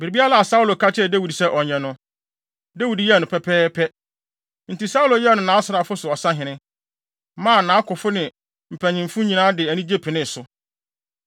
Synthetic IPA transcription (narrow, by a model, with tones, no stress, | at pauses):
bɪ˨ɾi˨bi˦a˦la˦˨a˨sa˦u˦lo˨kʰa˦t͡ɕʰɪ˦ɛ˦˨dæ˦wi˨dsɛ˦ʔɔ˨ɲɛ̃˨nʊ̃˦ | dæ˦wi˨djɛ˦˨nʊ̃˨pʰɛ˦pʰɛː˦pʰɛ˦ | n̩˨ti˨sa˦u˦lo˨jɛ˦˨nʊ̃˨nã˨˦sʊ˨ɾa˨fʊ˦sʊ˨ɔ˨sã˦ɦɪ̃˨nɪ̃˦ | mãː˦˨nãː˨˦kʊ˨fʊ˦nɪ̃˨ | m̩˨pʰæ̃˨ɲĩ˨mfũ˦ɲĩ˨nãː˦dɪ˨æ˨nĩ˦d͡ʑe˦pʰɪ˨nɪ̃˦˨sʊ˨